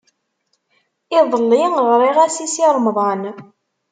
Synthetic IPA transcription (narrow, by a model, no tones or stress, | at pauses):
ɪðˤəlːiʁɾˤiʁæsisiɾˤmðˤɑn